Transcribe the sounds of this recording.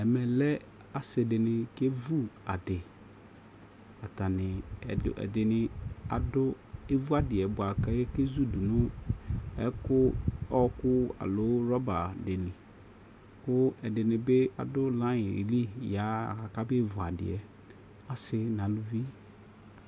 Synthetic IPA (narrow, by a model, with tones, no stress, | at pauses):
ɛ˨mɛ˨lɛ˦ | a˨sɪ˨dɪ˨nɪ˨ke˦vu˦a˨dɪ˨ | a˨ta˨nɪ̰˨ɛ̰˨dɪ˨nɪ̃˨a̰˨dʊ˦e˦vu˦a˦dɪ˨ɛ˨bʊ˨a˨ka˦jɛ˦ke˦zu˦du˨nʊ̃˦ | ɛ̰˨˦kʊ˦ɔ˦kʊ˦a̰˨lʊ˨˦ɾɔ˦ba˨de˨li˨ | kʊ˦ɛ˨dɪ˨nɪ̃˨be˦a̰˨dʊ˦lã˦jɪ˨ḭ˨li˦ja˨˦˨a˨ka˦bɪ˦e˦vu˨a˨dɪ̰˨ɛ˨ | a˨sɪ˦nã˨lʊ˦vi˦